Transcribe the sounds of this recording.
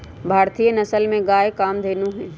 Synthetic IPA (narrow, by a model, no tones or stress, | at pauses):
bʱaːɾt̪ijənɐsəlmẽɡaːjkaːmd̪ʱeːnuɦɛ̃ː